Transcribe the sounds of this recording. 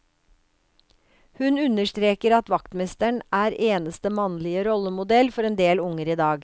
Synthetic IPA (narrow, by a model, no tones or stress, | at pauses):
hʉnʉnəʃt̪ɾeːkəɾɑt̪ʋɑkt̪mɛst̪əɳʔæːɾeːnəst̪əmɑnlɪəɾɔləmʊd̪ɛlfɔɾeːnd̪eːlʊŋəɾiːd̪ɑːɡ